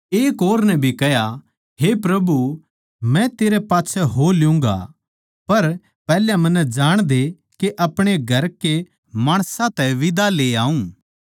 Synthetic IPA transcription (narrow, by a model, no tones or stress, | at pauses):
eːkoːɾnɛ̃bʱikɛja | ɦepɾɐbu | mɛ̃t̪eːɾepaːtːt͡ʃʰɛɦolɪjũːŋ̆ɡa̰ | pɐɾ | pɛːljamɐ̃nːɛd͡ʒaːɽ̃d̪e | keʔɐpɽ̃eɡʱɐɾke | maːɽ̃sãt̪ɛʋɪd̪aleːaːũː